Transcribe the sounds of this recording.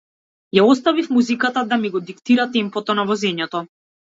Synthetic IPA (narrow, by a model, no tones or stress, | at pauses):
jaɔst̪avifmuzikat̪ad̪amiɡɔd̪ikt̪iɾat̪ɛmpɔt̪ɔnavɔzɛɲɛt̪ɔ